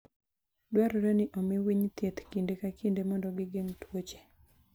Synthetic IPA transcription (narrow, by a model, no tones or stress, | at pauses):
dwaɾɔɾɛnɪʔɔmiwiɲt̪jet̪kindekakindemɔndɔɡɪɡeŋtwot͡ʃe̥